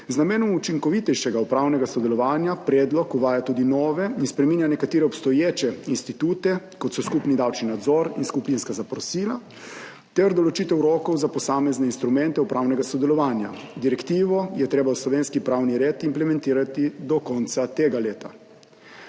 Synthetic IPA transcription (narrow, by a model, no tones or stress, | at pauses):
znameːnɔmut͡ʃiŋkɔʋit̪ɛjʃɛɡaupɾaːwnɛɡasɔd̪ɛlɔʋaːnjapɾeːd̪lɔkuʋaːjat̪uːd̪inɔːʋɛinspɾɛmiːnjanɛkat̪iːɾɛɔpst̪ɔjeːt͡ʃɛinst̪it̪uːt̪ɛkɔt̪sɔskupnid̪awt͡ʃninad̪zɔɾinskupinskazapɾɔsiːla | t̪ɛɾd̪ɔlɔt͡ʃit̪ɛwɾɔːkɔwzapɔsaːmɛznɛinst̪ɾumɛnt̪ɛupɾaːwnɛɡasɔd̪ɛlɔʋaːnja̰d̪iɾɛkt̪iːʋɔjɛt̪ɾeːbawslɔʋeːnskipɾaːwniɾeːt̪implɛmɛnt̪iːɾat̪id̪ɔkɔnt̪sat̪eːɡaleːt̪a